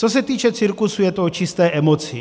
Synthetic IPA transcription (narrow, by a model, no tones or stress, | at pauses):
t͡sos̬ɛt̪iːt͡ʃɛt͡siɾkusujɛt̪ot͡ʃɪst̪ɛːʔɛmo̞t͡sɪ